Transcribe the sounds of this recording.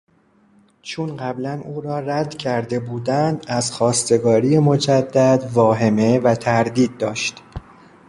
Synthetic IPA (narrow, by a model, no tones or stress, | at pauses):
t͡ʃʰunɢæblænuːɾɒːræd̪cʲʰæɾd̪e̞buːd̪ænd̪æzxɒːst̪e̞ɡɒːɾiːjemo̞d͡ʒæd̪ːæd̪vɒːɦe̞me̞væt̪ʰæɾd̪iːd̪̚ːɒːʃt̪